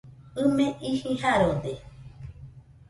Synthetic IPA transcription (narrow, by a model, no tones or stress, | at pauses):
ɨmẽʔihĩɦaɾod̪e